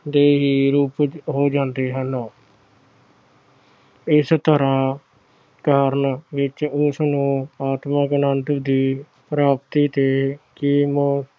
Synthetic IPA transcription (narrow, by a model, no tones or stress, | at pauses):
d̪eːɦiːɾuːpɦoːd͡ʒãːnd̪eːɦən | ɪst̪ʰəɾãː | kaːɾnʋɪt͡ʃʊsnũːaːt̪məknənt̪d̪iː | pɾaːpt̪iːt̪eːkim